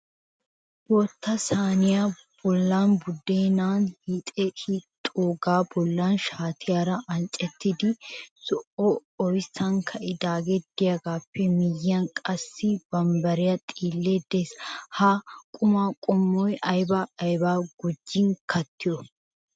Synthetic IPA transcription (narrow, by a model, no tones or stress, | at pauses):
bɔt̪ːɐsaːnɪja | b̥ɔlːaːnbʊd̪ːeːnaːnhit̪ʼɛit̪ʼoːɡaːbɔlːaːnʃaːt̪ʰɪjaːɾɐʔɐnt͡ʃʼɛt̪ːɪd̪ɪsɔʔɔɔjsɐŋkʰɐʔɪd̪aːɡed̪̥ɪjɐɡaːpːɛmɪjːɐnkʼɐsːɪbɐmbɐɾɪjɐt̪ʼiːlːeːd̪eːshakʼʊmaːkʼɔmːɔjʔɐjbɐːjbaːɡ̥ʊd͡ʒːɪŋkʰɐt̪ːɪjɔ